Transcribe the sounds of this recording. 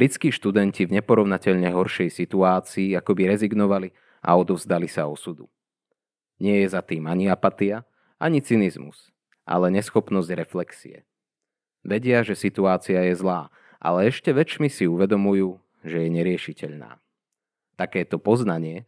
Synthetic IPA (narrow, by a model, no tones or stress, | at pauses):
bɾit͡skiːʃt̪ud̪ɛncivɲɛpɔɾɔʊnacɛʎɲɛɦɔɾʃɛjsit̪uaːt͡siːakɔbiɾɛziɡnɔʋali | ʔa̰ɔd̪ɔvzd̪alisaɔsud̪ṵ | ɲɪɛjɛzat̪iːmaɲiapat̪ia | aɲit͡sinizmṵs | ʔa̰lɛɲɛsxɔpnɔzɟɾɛflɛksḭɛ̰ | ʋɛɟɪaʒɛsit̪uaːt͡siajɛzlaː | ʔa̰lɛɛʃcɛʋɛt͡ʃmisiuʋɛd̪ɔmujuː | ʒɛjɛɲɛɾɪɛʃicɛʎna̰ː | t̪akɛːt̪ɔpɔznaɲɪɛ